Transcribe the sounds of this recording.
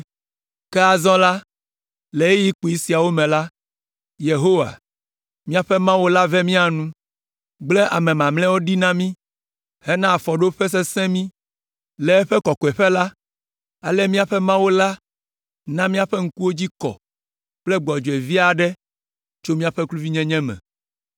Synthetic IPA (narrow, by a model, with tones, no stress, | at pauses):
kɛ˦a˨zɔ̃˦la˦ | le˨e˦ji˦k͡pu˨i˦si˨a˨wo˦mɛ̃˨la˦ | je˨ɦo˦wa̰˨ | mĩ˦a˨ɸɛ˦mã˦wo˦la˦vɛ˦mĩ˦a˨nũ˦ | ɡ͡ble˦ʔa˨mɛ̃˨mã˨mlɛ̃˦wo˦ɖi˦nã˦mĩ˦ | he˦nã˦a˨fɔ˨ɖo˦ɸe˦s̬e˦sɛ̃˦mĩ˦ | lɛ˨ɛ˦ɸɛ˦kɔ˨kɔ˨ɛ˨ɸɛ˦la˦ | a˨lɛ˦mĩ˦a˨ɸɛ˦mã˦wo˦la˦ | nã˦mĩ˦a˨ɸɛ˦ŋ̩˦ku˦wo˦d͡ʑi˦kɔ̰˨ | k͡plɛ˦ɡ͡bɔ˨d͡ʒe˨vi˦a˨ɖɛ˦ | t͡ʃo˦mĩ˦a˨ɸɛ˦klu˦vi˦ɲɛ̃˦ɲɛ̃˦mɛ̰̃˨